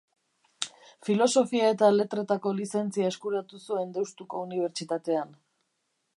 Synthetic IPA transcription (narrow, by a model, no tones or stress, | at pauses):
filo̞so̞fiae̞t̪ale̞t̪ɾe̞t̪ako̞lise̞nt͡siae̞skuɾat̪usue̞nd̪ewst̪uko̞uniβ̞e̞ɾt͡ʃit̪at̪e̞an